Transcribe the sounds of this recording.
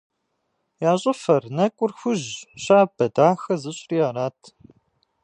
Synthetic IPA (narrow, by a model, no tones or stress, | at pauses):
jaːɕʼɪfɐrnɐkʷʼʊrxʷʊʑɕaːbɐdaːxɐzɨɕʼriaːɾaːtʰ